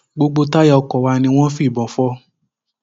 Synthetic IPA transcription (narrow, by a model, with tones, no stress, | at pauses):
ɡ͡bo˧ɡ͡bo˧ta˦jɔ˦˧kɔ˨wa˧nĩ˧w̃ɔ̃˦fi˦˨bɔ̃˨fɔ˧